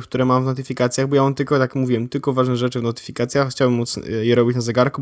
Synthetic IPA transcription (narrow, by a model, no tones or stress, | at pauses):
kt̪uɾɛmamvnɔt̪̬ɘfʲikat̪sʲjaɣbɔjaɔmt̪ɘlkɔt̪akmuvʲiwɛmt̪ɘlkɔvaʐnɛʐɛt͡ʂɘvnɔt̪ɘ̥fʲikat̪sʲjaxt͡ɕawbɘmːut̪sjɛɾɔbʲit͡ɕnazɛɡaɾku